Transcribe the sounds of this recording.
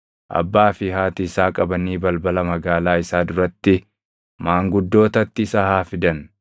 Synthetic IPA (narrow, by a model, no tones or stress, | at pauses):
ʔɐ̰bːaːfɪɦaːt̪ɪːsaːkʼɐbɐniːbɐlbɐlɐmɐɡaːlaːɪsaːd̪ʊɾɐt̪ːɪ | maːŋɡʊd̪ːo̞ːt̪ɐt̪ːɪːsaːhaːfɪd̪ɐn